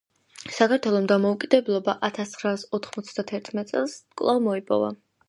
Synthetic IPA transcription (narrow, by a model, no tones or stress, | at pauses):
sakʰaɾt̪ʰwɛlˠɔmd̪amɔukʼid̪ɛblˠɔbaʔat̪ʰast̪sχɾaːsɔt̪ʰχmɔt̪sʰd̪at̪ʰɛɾt̪ʰmɛt̪sʼɛlˠskʼlˠavmɔipʼɔ̰va̰